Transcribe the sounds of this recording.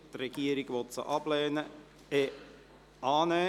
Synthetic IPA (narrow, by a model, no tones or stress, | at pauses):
t̪rɛɡ̥iəɾɪɡʋɔtsə̰ʔɑblɛːnə | e | ɑːnɛː